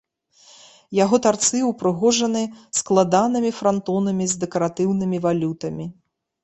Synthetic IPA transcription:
jaɣɔt̪art̪sɨwpɾɨɣɔʐɐnɨsklˠad̪anɨmʲifɾant̪ɔnɐmʲizʲd̪ɛkɐɾat̪ɨwnɨmʲivalʲut̪ɐmʲi

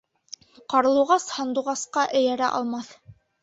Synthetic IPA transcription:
qɑɾɤ̆lˠuʁɑshɑ̆nd̪uʁɑsqɑʔɘ̆jæɾæʔɑ̰lˠmɑθ

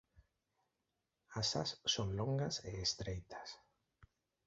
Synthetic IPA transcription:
asassoŋlõŋɡaseːst̪ɾejt̪ʰḁs

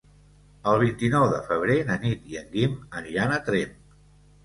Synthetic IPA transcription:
əlˠβ̞int̪inɔwðəfəβ̞ɾeðənit̪jəŋɡimənanət̪ɾem

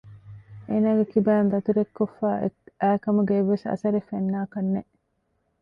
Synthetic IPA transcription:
ʔeːnaːɡekibæːnd̪ɐt̪uɾekːofːæːæːkɐmuɡeːʋːesɐ̰sɐɾefenːaːkɐnːeʔ

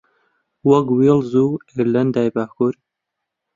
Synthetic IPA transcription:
wɐkwilzueɾlɐnd̪aːjbaːkuɾ

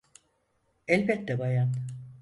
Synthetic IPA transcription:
ɛlʲbɛt̪̚d̪ɛbajan

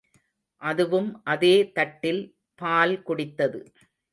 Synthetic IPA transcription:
ʔɐðɯʋɯmʔɐðeːt̪ɐʈːɪl | paːlkʊɽɪt̪ːɐðɯ

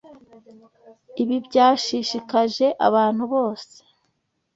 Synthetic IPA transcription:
iβibɟaːʃiʃikaʒe̞ʔa̰βaːn̥huβo̞ːse̥

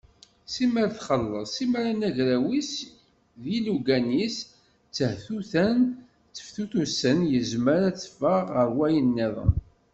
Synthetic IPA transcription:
siməɾθχəlːəˤsiməɾænæʝɾæwis | ðiluɡænis | t͡sːəhθuθæn | t͡sːə̥fθuθusənjəzməɾæt͡sːfəʁəɾwæjənːiðˤə̰

